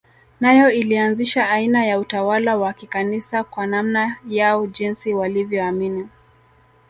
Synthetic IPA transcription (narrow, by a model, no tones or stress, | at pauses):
najɔilianziʃaainajautawalawakikanisakwanamnajaɔʄinsiwalivjɔamini